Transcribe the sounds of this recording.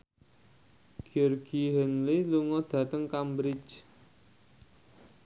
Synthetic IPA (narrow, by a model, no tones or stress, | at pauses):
ɡ̥ərɡ̥iɦənliluŋɔd̪̥ä̤t̪əŋkambɾɪt͡ʃ